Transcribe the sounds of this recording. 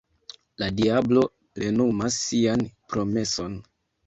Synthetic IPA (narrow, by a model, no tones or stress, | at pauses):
ladiablo̞ | pɾe̞numasːianpɾo̞me̞so̞n